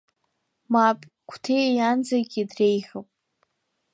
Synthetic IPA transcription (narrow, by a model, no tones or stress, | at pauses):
mapʼ | kʷʰtʰejjand͡zaɡʲidrejχɨpʼ